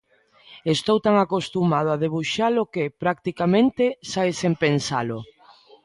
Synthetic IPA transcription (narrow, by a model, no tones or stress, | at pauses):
est̪owt̪aŋakost̪umað̞oaðeβ̞uʃalokepɾak̚t̪ikamẽnt̪esaesempensalʊ